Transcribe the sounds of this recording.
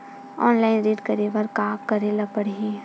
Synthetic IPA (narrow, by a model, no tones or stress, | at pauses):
ɔːnlaːɪnɾiːʈkɐɾeʋəɾkaːkkɐɾelapəɽɦẽ